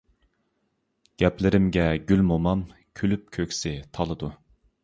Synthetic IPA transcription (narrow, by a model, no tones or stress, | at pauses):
ɡ̥ʲɛplɪɾɪmɡʲɛɡʲylmomɑm | kʲʰylyp̚kʲʰøkʲsɪt̪ʰɑlˠɨd̪u